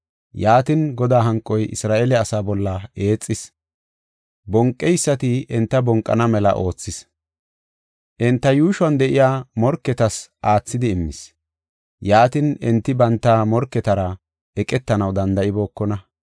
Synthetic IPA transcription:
jaːt̪ɪnɡɔd̪aːɦɐŋkʼːɔjʔɪ̰sɾaːʔɛlɛɐsaːbɔlːɐe̞ːt͡sʼːɪs | bɔŋkʼːɛjsːɐt̪ɪɛnt̪ːɐbɔŋkʼːɐ̰nɐmɛlɐ̰ʔo̞ːt͡sːɪs | ʔɪnt̪ːɐjuːʃwɐnd̪ɛʔɪjaːmɔɾkːɛt̪ɐsʔaːt͡sːɪd̪ɪːmːɪ̰s | jaːt̪ɪnɪnt̪ːɪbɐnt̪ːaːmɔɾkːɛt̪ɐɾɐ | ɛkʼɛt̪ːɐnɐwd̪ɐnd̪ɐʔɪbo̞ːkːɔnɐ

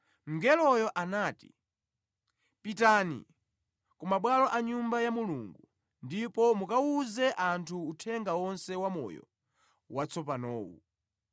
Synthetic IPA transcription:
ŋ̩ɡɛlɔjɔʔanaːtḭ | pitanḭ | kumaɓwalɔʔaɲumbajamuluŋɡu | ndipɔmukauzɛʔantʰuːtʰɛŋɡawɔnsɛwamɔ̰jɔ̰ | wat͡sɔp̬anɔːṵ

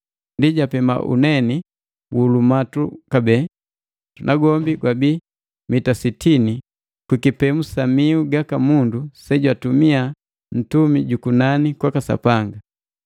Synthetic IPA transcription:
ndiɟapɛma̰ʔṵnɛni | buːlumatukabɛ | unʔaɡɔmbiɡwabi | mitasitʰini | kwikipɛmusamiuɡakamundusɛɟwatumia | n̩tumiɟukunanikwakasa̰paŋɡa

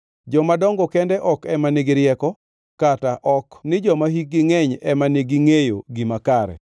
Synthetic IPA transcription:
d͡ʒɔmadɔŋɡɔkɛndɛʔɔkɛmaneɡɪɾjɛkɔ | kataʔɔknɪd͡ʒɔmahik̚ɡɪŋɛɲɛmanɪɡɪŋejo̰ɡimakaɾɛ̰

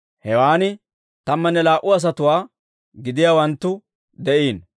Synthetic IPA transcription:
hɛwaːnɪ | t̪ɐmːɐnːɛlaːʔʊɐs̬ɐt̪ʊwaː | ɡɪd̪ɪjaːwɐnt̪ːʊ | d̪ɛʔiːn

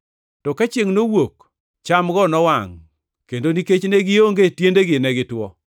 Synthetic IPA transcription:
tɔkat͡ʃeŋnowok | t͡ʃamɡɔnɔwaŋ | kendoniket͡ʃneɡɪoŋɡetjendeɡɪnɛɡɪtwɔ

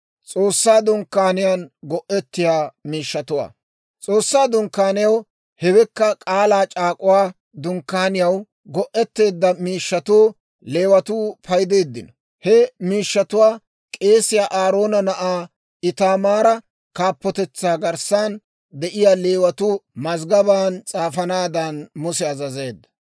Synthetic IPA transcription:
t͡sʼo̞ːsːaːd̪ʊŋkːaːnɪjaːnɡɔʔɛt̪ːɪjaːmiːʃːɐt̪ʊwa̰ː | t͡sʼo̞ːsːaːd̪ʊŋkːaːnɪjɐw | hɛwɛkːɐkʼaːlaːt͡ʃʼaːkʼʊwaː | d̪ʊŋkːaːnɪjɐw | ɡɔʔɛt̪ːe̞ːd̪ːɐmiːʃːɐt̪uː | le̞ːwɐt̪uːpʰɐjd̪e̞ːd̪ːɪnɔ | hɛmiːʃːɐt̪ʊwaː | kʼe̞ːsɪjaːʔaːɾo̞ːnɐnɐʔaː | ɪt̪aːmaːɾɐ | kaːpːɔt̪ɛt͡sːaːɡɐɾsaːn | d̪ɛʔɪjaːle̞ːwɐt̪ʊːmɐzɡɐbaːnt͡sʼaːfɐnaːd̪ɐnmʊsɛɐzɐze̞ːd̪ːɐ̥

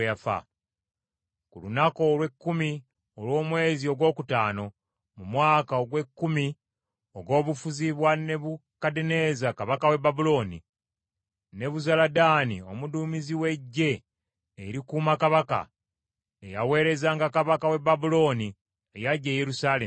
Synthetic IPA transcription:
afa̰ | kulunako̞lwe̞kːumi | o̞lwo̞ːmwe̞ːzio̞ɡwo̞ːkutaːno | mumwaːkaoɡwe̞kːumi | o̞ɡo̞ːβufuziβwane̞βukadene̞zakaβakawe̞babulo̞ːnḭ | ne̞βuzaladaːnio̞̰muduːmiziwe̞ɟːe̞ː | ɾikuːmakaβaka̰ | ejawe̞ːɾe̞zaːŋɡakaβakawe̞babulo̞ːni | ejaɟːeje̞ɾusaːle

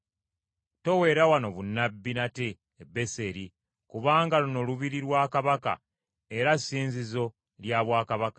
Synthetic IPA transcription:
to̞we̞ːɾawano̞βunːabːinateː | be̞se̞ɾi | kuβaːŋɡaluno̞luβiɾiɾwaːkaβaka̰ | e̞ɾasːiːnzizo̞ | ljaːβwaːkaβakḁ

